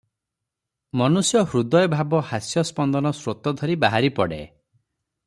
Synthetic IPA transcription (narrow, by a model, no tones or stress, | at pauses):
mɔnusjɔhɾud̪ɔjbʱabɔhasjɔspɔnd̪ɔnɔsɾot̪ɔd̪ʱɔɾibaɦaɾipɔɽḛ